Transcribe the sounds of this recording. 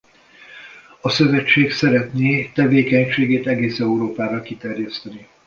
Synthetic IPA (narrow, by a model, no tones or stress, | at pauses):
ɒsø̞vɛt͡ʃːeːksɛɾɛt̪neːt̪ɛveːkɛɲʃeːɡeːt̪ɛɡeːsɛuɾoːpaːɾɒkit̪ɛrjɛst̪ɛni